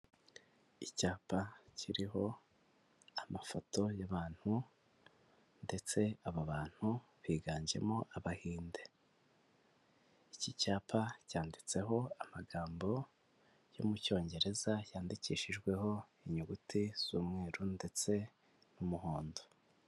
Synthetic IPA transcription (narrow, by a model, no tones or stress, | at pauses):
icaːpaciɾiɦo̞ | amafo̞to̞jaβaːn̥hu | nde̞t͡se̞aβaβaːn̥huβiːɡaːɲɟe̞̰moʔaβahiːnde̞ | icicaːpʰacaːndit͡se̞ɦo̞amaɡaːmbo̞ | jo̰muco̞ːɲɟe̞ɾe̞zajaːndiciːʃiʒɡwe̞ɦo̞ | iɲuɡutiz̥uːmŋe̞ːɾunde̞t͡se̞ | numuhoːndo